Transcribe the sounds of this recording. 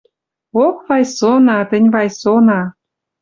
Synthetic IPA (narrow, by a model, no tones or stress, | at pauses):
okβɑjsonɑt̪ənʲβɑjsonɑ